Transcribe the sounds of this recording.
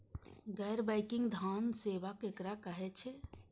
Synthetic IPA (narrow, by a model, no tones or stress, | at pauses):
ɡɛjɾbaɪkɪ̃ŋɡd̪ʱaːnseːʋakekɾakəɦet͡ʃʰe